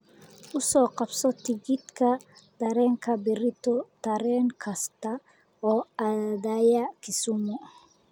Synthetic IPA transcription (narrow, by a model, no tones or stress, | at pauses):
ʊsɔːqɑbsɔt̪ɪɡɪd̪kʰɐd̪̥ɐɾɛːŋkʰɐbɪɾɪt̪ɔt̪ɐɾɛːŋkʰɐst̪ɐ | ɔːɐd̪ajɐkʰɪsʊmɔ